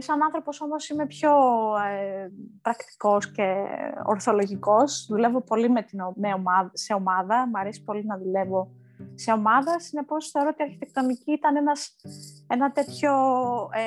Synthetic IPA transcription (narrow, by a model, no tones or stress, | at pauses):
sɐnɐnθɾo̞po̞so̞mo̞sime̞pço̞epɾɐkt̪i̥ko̞sce̞oɾθo̞lo̞ʝiko̞zðule̞vo̞po̞limet̪inomeomɐðse̞o̞mɐðɐmɐɾesi̥po̞linɐðule̞vo̞ | se̞o̞mɐðɐsine̞po̞sθe̞o̞ɾot̪iɐɾçit̪e̞k̚t̪o̞niciit̪ɐnenɐse̞nɐt̪e̞t̪ço̞